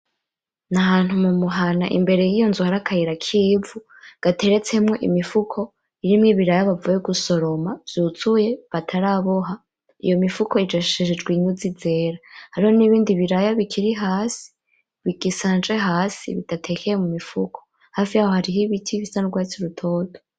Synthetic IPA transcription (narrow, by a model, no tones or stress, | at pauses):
naɦaːn̥humumuɦana̰ʔḭmbe̞ɾe̞jiːjonzuhaɾakʰajiɾakʰibvu | ɡ̥atʰe̞ɾe̞t͡se̞mŋe̞ʔḭmifukʰo̞ | iɾimŋiβiɾajaβavujeɡuso̞ɾo̞mavjuːt͡suje̞βatʰaɾaːβoɦa | ḭjo̞mifuko̞id͡ʒeʃʃeʒed͡ʒɡwiɲud͡zid͡ze̞ɾahaɾihoniβiːndiβiɾajaβikʰiɾiɦaːsi̥ | βiɡ̥isaːnd͡ʒe̞ɦaːsḭβḭtatʰe̞kʰejemumifukʰo̥ | haːfijaːho̞haɾiɦiβitʰiβisanuɡwaːt͡siɾutʰo̞ːto